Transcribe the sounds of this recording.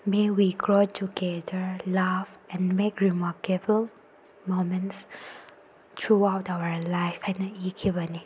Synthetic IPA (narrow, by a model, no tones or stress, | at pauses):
mewiɡɹotʰuɡɛdəlafɛ̃nmekɹimakəbəl | momə̃ns | tʰɹuawtawə˞laɪfɛ̃nikʰivəni